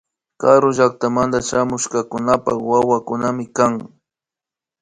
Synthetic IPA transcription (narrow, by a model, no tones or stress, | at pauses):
kaɾʊʒak̚t̪amand̪aʃamʊʃkakʊnapawawakʊnamɪkaŋ